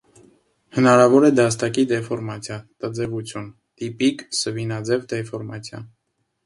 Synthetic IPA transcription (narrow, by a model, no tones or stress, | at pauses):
hənɑɾɑvɔɾɛd̪ɑst̪ɑkid̪ɛfɔɾmɑt͡sʰjɑt̪əd͡zɛvut͡sʰjun | t̪ipiksəvinɑd͡zɛvd̪ɛfɔɾmɑt͡sʰjɑ̰